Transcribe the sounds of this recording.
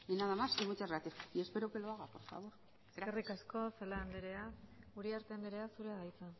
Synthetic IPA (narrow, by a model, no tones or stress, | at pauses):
inaðamasiɣut͡ʃazɣat̪isie̞speɾokeloaɣapoɾfa̰βo̞ɾ | eerikasko̞selaːnd̪eɾe̞auɾiaɾt̪eand̪eɾe̞asuɾeaðajt͡sa